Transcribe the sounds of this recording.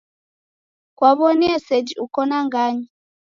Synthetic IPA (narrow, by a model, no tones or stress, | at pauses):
kwaβɔniɛsɛd͡ʒiukɔnaŋɡaɲi